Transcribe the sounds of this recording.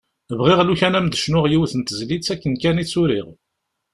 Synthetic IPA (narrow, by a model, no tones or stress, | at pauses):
vʁiʁluçænæmd̪əʃnʊʁjiwθənt̪əzlit͡sːækːənkænit͡sːʊɾiʁ